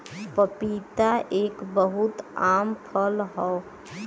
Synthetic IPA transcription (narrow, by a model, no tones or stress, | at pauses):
pəpit̪aʔeːkbəɦʊt̪aːmpʰəlɦɔ